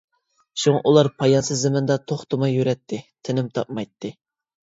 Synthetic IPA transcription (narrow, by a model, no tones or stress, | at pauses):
ʃuŋɑʔulˠɑɾpʰɑjɑnsɨzːɪmɪnd̪ɑt̪ʰoχt̪ʰʊmɑjːyɾɛt̪ʰːɪt̪ʰɪnɪmt̪ʰɑ̰p̚mɑjt̪ʰːɨ